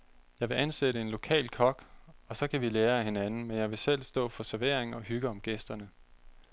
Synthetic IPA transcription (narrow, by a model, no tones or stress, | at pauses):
jɑ̈ɪʋe̝ʔænsedəe̝nlo̝kʰɛ̰ːlkʰɒ̽ɡ̥ɒ̽sɒ̽kʰæʋileːɐæhe̝nænn̩menjɑ̈ɪʋe̝sel̰sd̥ɔ̰̽ːfɒ̽sæɐʋe̝ɐ̰eŋɒ̽ɦyɡ̥əɒ̽mɡ̥esd̥ɐnə